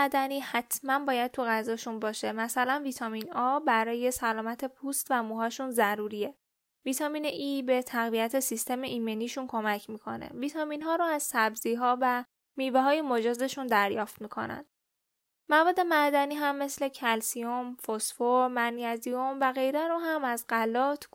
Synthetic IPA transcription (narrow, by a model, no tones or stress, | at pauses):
æd̪æniːhæt̪ʰmænbɒːjæd̪̚t̪ʰuɣæzɒːʃunbɒːʃe̞mæsælænvit̪ʰɒːminɒbæɾɒːje̞sælɒːmæt̪ʰe̞pʰust̪væmuːɦɒːʃunzæɾuːɾie̞ | vit̪ʰɒːmiːneʔiːbe̞t̪ʰæɣviæt̪ʰe̞sist̪ʰe̞meʔimeniːʃunkʰo̞mæcʰmiːkʰo̞̰nḛvit̪ʰɒminɦɒːɾoæz̥sæbziːɦɒːvæ | miːveɦɒːjemod͡ʒɒːze̞ʃund̪æɾjɒːft̪miːkʰo̞̰næ̰n | mævɒːd̪ːe̞mæd̪æniːɦæmːe̞sle̞cʰælsijomfosfoɾmæniæzijo̞mvæɣe̞jɾeɾoɦæmæzɢælɒːt̪ʰ